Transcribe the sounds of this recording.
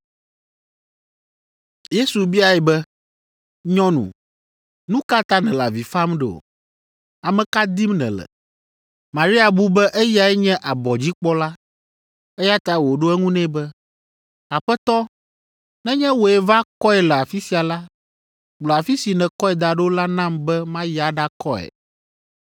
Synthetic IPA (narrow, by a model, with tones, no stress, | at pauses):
je˦su˨bi˦a˨ɛ˨bɛ˦ | ɲɔ̃˦nṵ̃˨ | nũ˦ka˦t̪a˦nɛ̃˨la̰˨vi˨fa˦mɖɛ˨o̰˨ | a˨mɛ̃˨ka˦d̪i˦mnɛ̰̃˨lɛ̰˨ | mã˨ɾi˦a˨bu˦bɛ˦ʔɛ˦ji˦a˨ɛ˦ɲɛ̃˦ʔa˨bɔ˨d͡ʑi˦k͡pɔ˦la˦ | ɛ˦ja˦t̪a˨wo˨ɖo˦ɛ˦ŋũ˦nɛ̃˦bɛ˦ | a˨ɸɛ˦t̪ɔ˦ | nɛ̃˦ɲɛ̃˦wo˨ɛ˨va˦kɔ˦ɛ˨lɛ˨a˨fi˦si˨a˨la˦ | ɡ͡blɔ˨a˨fi˦si˨nɛ̃˨kɔ˦ɛ˨d̪a˨ɖe˦o˦la˦nã˦mbɛ˦mã˦ja˨ɖa˦kɔ˦ɛ̰˨